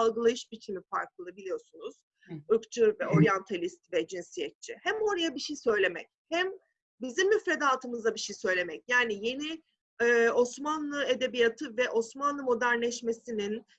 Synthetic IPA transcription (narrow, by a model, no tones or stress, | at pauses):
alˠɡɯlˠajɯʃbit͡ʃʰimifa̰ɾklˠɯlˠabilʲijo̞sunuz̥ | ɯkt͡ʃʰɯvɛo̞ɾjant̪ʰalʲist̪vɛd͡ʒinsijɛt̪̚t͡ʃʰihɛmo̞ɾajabiʃejsø̞jlʲe̞mɛ̰chɛm | bizimːyfɾe̞d̪aːt̪ʰɯmɯzd̪abiʃejsø̞jlʲe̞mɛcjaːnije̞ni | ɯːo̞smanlˠɯe̞d̪e̞bijat̪ʰɯvɛʔo̞smanlˠɯmo̞d̪æɾnlʲɛʃmesinin